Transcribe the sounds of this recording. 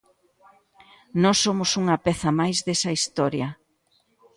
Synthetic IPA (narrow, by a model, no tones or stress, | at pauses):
nɔsːomʊsuŋɐpɛθɐmajzðesɐist̪ɔɾjɐ